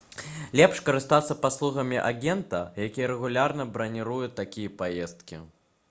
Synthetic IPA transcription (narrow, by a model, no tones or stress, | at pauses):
lʲɛpʂkɐɾɨst̪at̪sːɐpaslˠuɣɐmʲiʔaɣʲɛnt̪ɐjakʲijɐɾɛɣulʲarnɐbɾɐnʲiɾujut̪ːakʲijɐpajɛst̪̚kʲḭ